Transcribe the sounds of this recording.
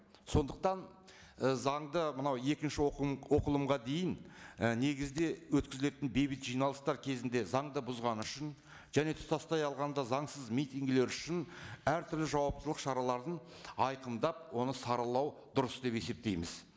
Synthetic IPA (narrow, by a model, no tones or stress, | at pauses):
so̞nd̪əq̚t̪ɑn | zɑɴd̪əmənɑwe̞kʲɪnʃɪwo̞qəlˠəmʁɑd̪e̞jɪnne̞ɡʲɪzd̪e̞wɵt̪kʲɪzɪle̞t̪ɪnbe̞jbɪt̪ʒijnɑlˠəst̪ɑɾkʲʰe̞zɪnd̪e̞zɑɴd̪əbʊzʁɑnʏʃɪn | ʒ̥æne̞t̪ʰʊ̥sɑst̪ɑjɑlˠʁɑnd̪ɑzɑɴsəzmijt̪iŋɡle̞ɾʏʃɪnæɾt̪ʰʏɾlɪʒɑwɑp̚t̪əlˠəqʃɑɾɑlˠɑɾd̪əɴ | ɑjqəmd̪ɑp̚wo̞nəsɑɾəlˠɑwd̪ʊɾəsd̪e̞pe̞se̞p̚t̪e̞jmɪz̥